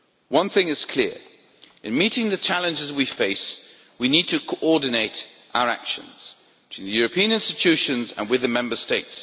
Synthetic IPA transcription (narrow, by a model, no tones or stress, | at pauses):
wʌ̃nθɪ̃ŋɪz̥kʰl̥ɪəɹ | ɪ̃nmiˑtɪ̃ŋðɨt͡ʃʰalə̃nd͡ʒɪzwifeɪs | winid̚tʰɨkʰoʔɔːdⁿn̩eɪtʔaʊəɹa̰kʃə̰̃nz̥ | b̥ɪtʰwĩnðəjɔɹəpʰĩə̃nɪ̃nstɪt͡ʃʰʉˑʃə̃nzə̰̃nwɨðəmɛ̃mbəsteɪts